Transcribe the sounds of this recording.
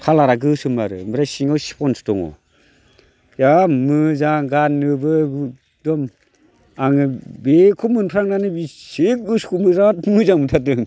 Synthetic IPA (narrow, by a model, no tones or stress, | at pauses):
kʰalaɾaɡɯsɯmaɾɯ̰mɯɾasiŋawsi̥pʰɔnstɔŋɔ̰ | jamɯzaŋɡanːɯbɯɡ | dɔm | aŋɯbekʰumɯnpʰɾaŋnanɯbiseɡɯskʰumɯzatmɯzaŋmɯtʰadɯŋ